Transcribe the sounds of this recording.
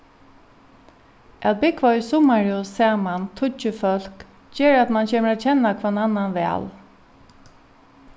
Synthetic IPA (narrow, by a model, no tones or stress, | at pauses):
ʔɛt̪̚bɪkvɔjsʊmaɹjusaːmant̪ʰʊt͡ʃːəfœl̥k | d͡ʒeːɹat̪mant͡ɕʰeːməɹat̪t͡ɕʰɛnakʰvaːnanːanʋɛ̰ːl